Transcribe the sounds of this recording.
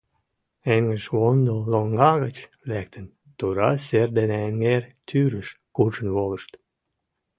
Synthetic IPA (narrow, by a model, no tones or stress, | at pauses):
eŋɡəʃβond̪oloŋɡɑɣət͡ɕ | læk̚t̪ə̆n | t̪uɾɑserd̪eneeŋɡert̪ʰyɾəʃkut͡ʃə̆nβoləʃt̪